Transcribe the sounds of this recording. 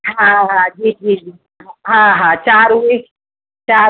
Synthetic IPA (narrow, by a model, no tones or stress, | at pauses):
ɦãɦãd͡ʒiːd͡ʒid͡ʒiː | ɦãɦãɦãt͡ʃaːɾue | t͡ʃaː